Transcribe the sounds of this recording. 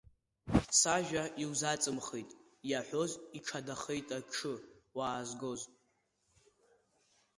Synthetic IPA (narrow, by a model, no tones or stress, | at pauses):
saʒᶣaʔiwzat͡sʼɨmχejtʼ | jaħʷo̞ziʈ͡ʂʰadaχejtʼaʈ͡ʂʰɨwaːzɡo̞z